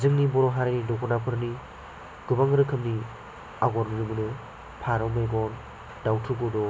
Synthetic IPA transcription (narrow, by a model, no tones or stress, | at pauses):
zɯŋnibɔɾɔɦaɾanidɔkʰɔnapʰɯɾni | ɡɯbaŋɾɯkʰɯmni | aɡɔɾmɯnɯmɯnɯ | pʰaɾɔwmeɡɔn | dawtʰuɡudɔ